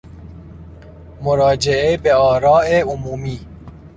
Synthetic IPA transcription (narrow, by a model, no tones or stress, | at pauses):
mʊɾɑːd͡ʒeebeɔːɾɑːeʊmuːmiː